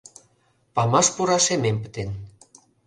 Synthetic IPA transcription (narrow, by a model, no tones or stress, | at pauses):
pɑmɑʃpuɾɑʃemempə̥t̪en